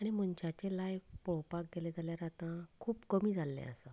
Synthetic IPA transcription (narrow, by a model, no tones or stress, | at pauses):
aɽ̃imənt͡ɕat͡ɕelajfpɔɭ̤owpak̚ɡeled͡zaljaɾat̪ãkʰuːpkəmiːd͡zʱalːḛ̃ə̰sa